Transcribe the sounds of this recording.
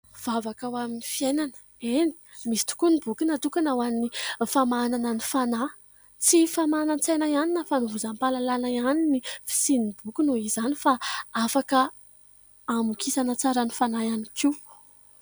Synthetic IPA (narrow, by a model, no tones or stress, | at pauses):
v̥avakawaminifiejnanə̥ | eni̥ | misi̥t̪u̥kunibukinat̪ukanawanifamananənifana | t͡sifamanant͡sajnajaninəfanivuzampalalanaianinifi̥sinibukunoizanifaafakəː | mukʰisanət͡saɾənifanajanikʰiw